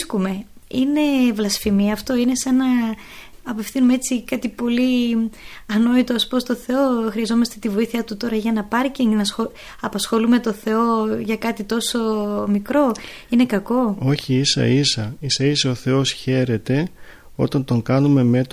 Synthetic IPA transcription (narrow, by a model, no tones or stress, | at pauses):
skume̞ | ine̞vlɐsfimiɐft̪o̞ine̞senɐ | ɐpe̞fθinumee̞t͡sikɐt̪ipo̞li | ɐno̞it̪oɐspost̪o̞θe̞o̞xɾiɐzo̞mɐst̪e̞t̪ivo̞iθiɐt̪ut̪o̞ɾɐʝɐnɐpɐɾciŋnɐsxo | ɐpɐsxo̞lume̞t̪o̞θe̞o̞ʝɐkɐt̪it̪o̞so̞mikɾo̞ | ine̞kɐko̞o̞çiisɐ̰isɐisɐisɐoθe̞o̞sçe̞ɾe̞t̪e̞ | o̞̰t̪ɐnt̪o̞ŋkɐnume̞me̞t̪